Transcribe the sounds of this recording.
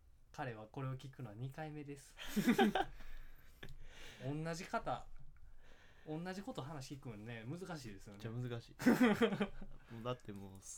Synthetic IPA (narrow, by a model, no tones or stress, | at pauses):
kaɾe̞βako̞ɾe̞o̞kʲikɯ̟no̞βaɲ̟ikaime̞d̪e̞sɨ̥ | õ̞nːaʑikat̪a | õ̞nːaʑiko̞t̪o̞ɦanaɕi̥kʲikɯ̟̃nːe̞mɯ̟zɨkaɕiːd̪e̞sɨjonːamɯ̟zɨkaɕi̥ː | mod̪at̪ːemoː